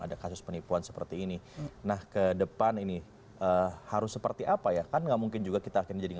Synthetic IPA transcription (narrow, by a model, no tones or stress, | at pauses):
a̰dakasʊspənipuansə̥pə̰rt̪iːninahkədəpanini | ʔəhaɾʊsːəpərt̪iʔapajakanŋɡaʔmuŋkɪnd͡ʒuɡakit̪aːkɪnməd͡ʒadiŋ